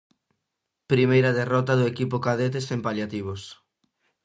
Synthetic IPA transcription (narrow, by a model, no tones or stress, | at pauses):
pɾimejɾɐaðerɔt̪ɐðʊekipʊkaðet̪̬esempaljat̪iβ̞os